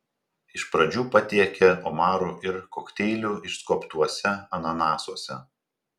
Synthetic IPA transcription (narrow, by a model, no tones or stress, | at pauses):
ɪʃpɾɐd͡ʒʲuːpɐt̪ʲiɛkʲeɔmɑːɾuːʔɪɾkɔːkt̪ʲɛɪlʲuːɪʃskɔpt̪uɔsʲɛɐnɐnɑːsuɔsʲɛ